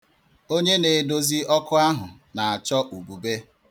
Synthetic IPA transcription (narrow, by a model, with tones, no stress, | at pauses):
o˦ɲe˦ne˨do˦zi˦ɔ˦kʊ˦a˦ɦʊ˨ | na˨a˨t͡ʃɔ˦ʔu˨bu˨be˦